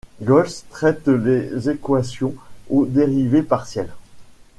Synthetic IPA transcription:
ɡɔlst̪χɛt̪lezekwasjɔ̃od̪eʁivepaʁsjɛl

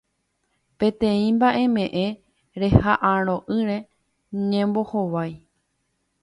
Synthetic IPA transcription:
pẽ̞t̪ẽ̞ĩmbaʔe̞mẽ̞ʔe̞ | ɾe̞haʔãɾ̃õ̞ʔɨɾẽ̞ | ɲẽmbo̞hoʋaj

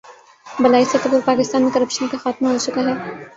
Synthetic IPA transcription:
bɐlaːiset̪obʊɾpaːkɪst̪aːnmekɐɾəpʃənkaxaːt̪maɦot͡ʃʊkaɦɛː

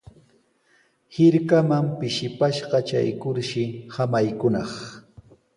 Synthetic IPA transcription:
hɪɾkamampɪʃɪpaʃɢɑt͡ʃa̰jkʊɾʃɪhamajkʊnɑχ

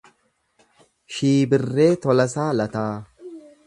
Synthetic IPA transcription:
ʃiːbɪrːe̞ːt̪ɔlɐsaːlɐt̪aː

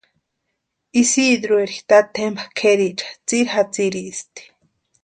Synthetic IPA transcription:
isid̪ɾueɾiht̪at̪ʰembakʰeɾit͡ʃḁt͡siɾhat͡siɾist̪i̥

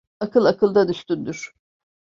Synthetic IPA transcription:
akʰɯlˠakʰɯlˠd̪ad̪yʃt̪ynd̪yɾ̥

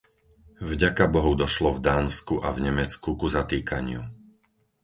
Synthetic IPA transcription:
vɟakabɔɦɔʊd̪ɔʃlɔvd̪aːnskuʔavɲɛmɛt͡skukuzat̪iːkaɲɪṵ

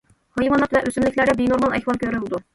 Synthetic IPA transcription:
hɨjmɑnɑt̪vɛʔøsymlɪkʲlæɾɪbenoɾmɑlɛ̰hwɑlˠkʲʰøɾylɪd̪u

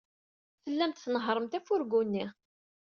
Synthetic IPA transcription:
θəlːæmt̪θnəɦɾˤəmt̪æfʊɾɡunːi

